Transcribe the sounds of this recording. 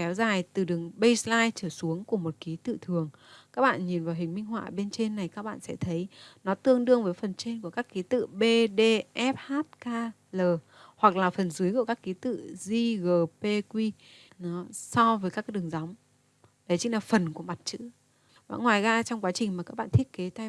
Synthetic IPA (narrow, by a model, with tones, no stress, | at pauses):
kɛ˨˦wzaː˨˩jt̪ɨ˨˩ɗɨ˨˩əŋɓə˧jslaː˧jt͡ɕəː˧˩su˨˦əŋku˧˩əmo˨˩t̚ki˨˦t̪ɨ̰˧˨t̪ʰɨ˨˩əŋkaː˦˥k̚ɓa̰ː˧˨nɲi˨˩nvaː˨˩wɦï˨˩ŋ̟mï˧ŋɦwa̰ː˧˨ɓe˧nt͡ɕe˧nːa˨˩jkaː˦˥k̚ɓa̰ː˧˨nsɛ̰˧˥t̪ʰə˨˦jnɔ˨˦t̪ɨ˧əŋɗɨ˧əŋvəː˨˦jfə˨˩nt͡ɕe˧nku˧˩əkaː˦˥kːi˨˦t̪ɨ̰˧˨ɓe˧ɗe˧ʔɛ˦˥p̚haː˦˥t̚kaː˧ | ləː˨˩ | hwa˨˩k̚laː˨˩fə˨˩nzɨ˨˦jku˧˩kaː˦˥kːi˨˦t̪ɨ̰˧˨zi˧ɣəː˨˩pe˧kwi˧ | nɔ˨˦sɔ˧vəː˨˦jkaː˦˥kɗɨ˨˩əŋza˨˦wŋ͡m | ɗə˨˦jt͡ɕï˨˦ŋlaː˨˩fə˨˩nku˧˩əma˨˩t̚t͡ɕɨ̰˧˥ | va̰ː˧˨nŋwaː˨˩jɣaː˧t͡ɕɔ˧wŋ͡mkwaː˨˦t͡ɕï˨˩ŋ̟maː˨˩kaː˦˥k̚ɓa̰ː˧˨t̪i˦˥t̚ke˨˦t̪a˧